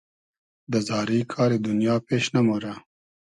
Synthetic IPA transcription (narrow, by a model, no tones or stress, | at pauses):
d̪əzɑːɾiːkʰaːɾid̪unjaːpeːʃnɐmoɾa